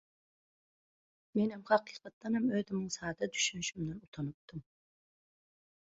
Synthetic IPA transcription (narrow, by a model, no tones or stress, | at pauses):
menhɛmhɑqiːqɑt̪ːɑnɛmøðymɪŋsɑːd̪ɑd̪yʃynʃymd̪ɛnut̪ʰɑnup̚t̪ɯm